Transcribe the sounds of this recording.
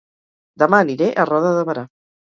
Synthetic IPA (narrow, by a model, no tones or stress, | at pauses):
d̪əmaniɾeʔərɔðəðəβəɾa